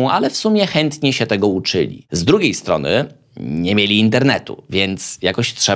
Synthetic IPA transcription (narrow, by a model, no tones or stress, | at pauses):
alɛfsumʲjɛxɛnt̪ɲɛɕɛt̪ɛɡɔut͡ʂɘ̰lʲḭzd̪ɾuɡʲejst̪ɾɔ̰nɘ̰ | ɲɛmʲjelʲiːnt̪ɛɾnɛt̪ṵvʲjɛnt̪sjakɔɕtʂɛ